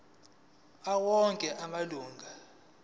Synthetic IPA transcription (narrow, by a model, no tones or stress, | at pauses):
awɔŋkʼɛʔamaluːŋɡʱa